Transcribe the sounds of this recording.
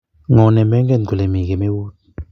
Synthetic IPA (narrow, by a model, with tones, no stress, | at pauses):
ŋɔ˨nɛ˨mɛ˦ŋɡɛ˦n˨ɡu˨le˨mi˨ɡe˨me˦wu˦t̚